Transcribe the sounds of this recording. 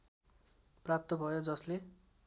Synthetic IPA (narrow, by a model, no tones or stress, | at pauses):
prap̚t̪ʌbʱʌjod͡zʌsle